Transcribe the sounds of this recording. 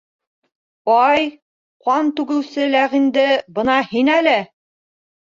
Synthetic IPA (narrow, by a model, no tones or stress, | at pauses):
ɒj | qɑnt̪ʉɡɘ̆wsɘlæʁind̪ɘbɤ̆nɑhinælɘ